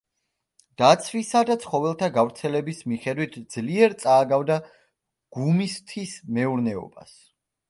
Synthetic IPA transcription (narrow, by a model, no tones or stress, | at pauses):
d̪̥at̪sʰvisad̪at̪sʰχɔvɛlˠt̪ʰaɡavɾt̪sʰɛlɛbismiχɛd̪wit̪ʰd̪zliɛɾt̪sʼaːɡavd̪a | ɡ̥umist̪ʰismɛuɾnɛɔ̰ba̰s